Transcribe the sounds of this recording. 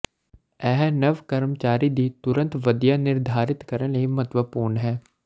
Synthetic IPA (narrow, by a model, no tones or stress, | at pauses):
ɛːɦnəʋkəɾmt͡ʃaːɾiːd̪iːt̪ʊɾə̃nt̪ʋəd̪ijaːnɪɾd̪ʱaːɾɪt̪kəɾənləiːmət̪ʋəpuːɾɳɦɛː